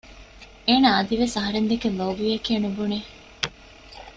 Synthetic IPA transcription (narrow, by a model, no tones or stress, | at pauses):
eːnaːɐd̪iʋesɐɦɐɾend̪ekenlɐbiɐkeːnubuneː